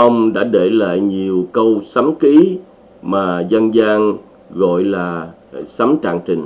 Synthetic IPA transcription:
ə˧wŋ͡mɗa̰ː˧˥ɗe˧˩la̰ː˧˨jɲi˨˩əwkə˧wsa˨˦mki˨˦ | maː˨˩zə˧nzaː˧ŋ | ɣo̰˧˨jlaː˨˩ | sa˨˦mt͡ɕa̰ː˧˨ŋt͡ɕï˨˩ŋ̟

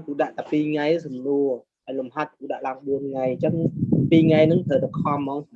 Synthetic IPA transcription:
ku˧˩ɗa̰˧˨ʔt̪aː˨˩pi˧ŋa˧jʔa˧˦sɨ˨˩mnu˧ə | ɗa˨˩lʊ˨˩mha˧˩t̚ku˧˩ɗa̰˧ʔlaː˧ŋɓu˧ənŋa˧˩jt͡ɕə˧˦ŋpiː˧ŋa˧jnɨ˨˦ŋt̪ʰəː˨˩t̪a˨˩kʰɔ˧mːɔ˧˦ŋ˨

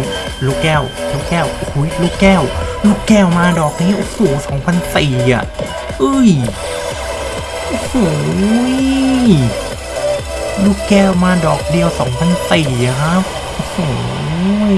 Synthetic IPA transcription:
luː˧˥˩kːɛː˧˥˩wluː˧˥˩kɛː˥˩wʔo˨˧hu˨˦˥jluː˧˥˩kːɛː˥˩wluː˥˩kːɛː˥˩wmaː˧dɔː˨˩k̚niː˦˥ʔo˧hoː˨˩˦sɔː˩˦ŋpʰa˧nsiː˨˩a̰˨˩ʔ | ʔɯː˧˥˩j | ʔo˧hoː˨˩˦ | luː˥˩kːɛː˥˩wmaː˧dɔː˨˩k̚di˧əwsɔː˩˦ŋpʰa˧nsiː˨˩a˨˩kʰa˦˥ | ʔo˧hoː˨˧˩

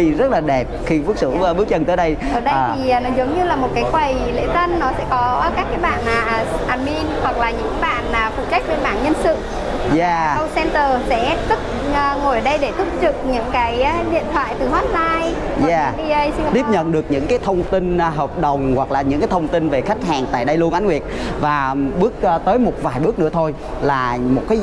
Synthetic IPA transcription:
i˧zə˦˥t̚laː˨˩ɗɛ˨˩p̚xi˧fu˦˥k̚sɨ̰˧˩˧ɓɨ˦˥ək̚t͡ɕə˧˩nt̪əː˨˦jɗə˧j | əː˧˩ɗəː˧˨˩i˨˩˨nɔ˨˦zə˨˦wŋ͡mɲɨ˧laː˨˩mo˨˩t̚kaː˨˦jxwə˨˩jlḛ˧˥zə˧nːɔ˨˦sɛ̰˧˥kɔ˨˦˧kaː˦˥k̚ːaː˨˦jɓaː˧˩naː˨˩ʔːʔaː˨˩nmi˧nhwa˨˩k̚laː˨˩ɲɨ̰˧˥ŋa˨˦jɓaː˧˩naː˨˩fṵ˧˩t͡ɕa˦˥k̟̚ɓe˧nma̰ː˧˩˨nɲə˧nsɨ̰˧˨ | jaː˨˧˩ə˧wsɛ˧nt̪əː˨˩sɛ̰˧˥t̪ɨ˦˥k̚ː | ŋo˨˩jə˩ɗə˧jɗe˧˩t̪ʰu˦˥p̚zɨ˨˩k̚ɲɨ̰˧˥ŋkaː˨˦jɗḭ˧˨ənt̪ʰwa̰ː˧˨jt̪ɨ˨˩ɦwaː˨˦˥t̚zaː˧j | ja˦˧˩i˧ə˧jsi˧˨t̪i˦˥p̚ɲə̰˧˨nɗɨ˨˩ək̚ɲɨ̰˧˥ŋkaː˨˦jt̪ʰə˧wŋ͡mt̪i˧n˧ɦəː˨˩wk͡p̚ɗə˨˩wŋ͡mhwa˨˩k̚laː˨˩ɲɨ̰˧˥ŋkaː˨˦jt̪ʰə˧wŋ͡mt̪ï˧nve˨˩xa˦˥k̟̚haː˨˩ŋt̪a̰ː˧˨jɗə˧jlu˧ənʔa˨˦ŋwi˨˩ət̚vaː˨˩ɓɨ˦˥ək̚ːt̪əː˨˦jmo˨˩t̚vaː˨˩jɓɨ˦˥ək̚nɨ̰˧˥ət̪ʰo˧j | laː˨˩mo˨˩t̚kaː˨˦

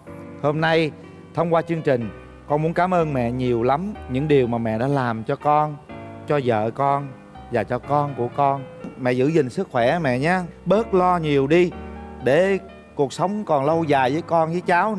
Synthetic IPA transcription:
ho˧mna˧j | t̪ʰə˧wŋ͡mkwaː˧t͡ɕɨ˧əŋt͡ɕï˨˩ŋ̟ | kɔ˧nmu˨˦ənkaː˨˦mʔəː˧nmɛ̰˧˨ɲi˨˩əwla˨˦mɲɨ̰˧˥ŋɗi˨˩əwmaː˨˩mɛ̰˧˨ɗa̰ː˧˥laː˨˩mt͡ɕɔ˧kɔ˧nt͡ɕɔ˧zə̰ː˧˨kɔ˧n | zaː˨˩t͡ɕɔ˧kɔ˧nku˧˩əkɔ˧nmɛ̰˧˨zɨ̰˧˥zï˨˩ŋ̟sɨ˦˥k̚xwɛ˧˩mɛ̰˧˨ɲaː˧ɓəː˦˥t̚lɔ˧ɲi˨˩əwɗi˧ɗe˧˩ | ku˨˩ək̚sə˨˦wŋ͡mkɔ˨˩nlə˧wzaː˨˩jvəː˨˦jkɔ˧nzəː˨˦jt͡ɕaː˨˦w

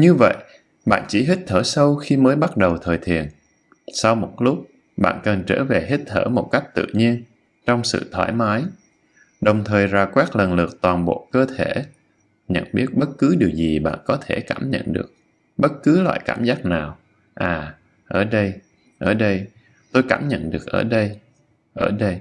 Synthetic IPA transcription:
ɲɨ˧və̰˧˨j | ɓa̰ː˧˨nt͡ɕi˧˩ɦi˦˥t̟̚t̪ʰəː˧˩sə˧wxi˧məː˨˦jɓa˦˥t̚ɗə˨˩wt̪ʰəː˨˩jt̪ʰi˨˩ən | sa˧wmo˨˩t̚lʊ˦˥k͡p̚ | ɓa̰ː˧˨nkə˨˩nt͡ɕəː˧˩ve˨˩ɦi˦˥t̟̚t̪ʰəː˧˩mo˨˩t̚ka˦˥jk̚t̪ɨ̰˧˨ɲi˧ən | t͡ɕɔ˧wŋ͡msɨ̰˧˨t̪ʰwaː˧˩jmaː˨˦j | ɗə˨˩wŋ͡mt̪ʰəː˨˩jzaː˧˩kwaː˦˥k̚lə˨˩nlɨ˨˩ək̚t̪waː˨˩nɓo̰˧˨kəː˧t̪ʰe˧˩ | ɲə̰˧˨nɓi˦˥ət̚ɓə˦˥t̚kɨ˨˦ɗi˨˩əwzi˨˩ɓa̰ː˧˨nkɔ˨˦t̪ʰe˧˩kaː˧˩mɲə̰˧˨nɗɨ˨˩ək̚ | ɓə˦˥t̚kɨ˨˦lwa̰ː˧˨jkaː˧˩mzaː˦˥k̚naː˨˩w | ʔaː˨˩ | ʔəː˧˩ɗə˧j | ʔəː˧˩ɗə˧j | t̪o˧jkaː˧˩mɲə̰˧˨nɗɨ˨˩ək̚ʔəː˧˩ɗə˧j | ʔəː˧˩ɗə˧j

